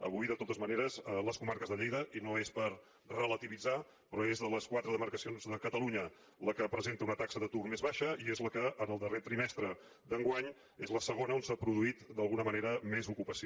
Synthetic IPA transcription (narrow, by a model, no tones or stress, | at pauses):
ə̰β̞ujðət̪ot̪əzməneɾəzələskumaɾkəzðəʎejðəʔinoespəɾ | rələt̪iβid͡za | pɾɔezðələskwat̪ɾəðəməɾkəsionzðəkət̪əluɲə | ləkəpɾəzent̪əunət̪aksəðət̪urmezβaʃəiezləkəʔənəlˠd̪əret̪ɾimɛst̪ɾə | d̪əŋɡwaɲ | ezləsəɣ̞onəonsapɾuðuit̪d̪əlˠɣunəməneɾəmezukupəsi